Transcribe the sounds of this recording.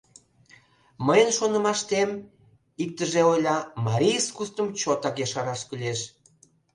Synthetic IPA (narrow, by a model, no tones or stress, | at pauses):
məjənʃonə̆mɑʃt̪em | ik̚t̪əʒeojlʲɑmɑɾʲijəskust̪əmt͡ɕot̪ɑkeʃɑɾɑʃkylʲeʃ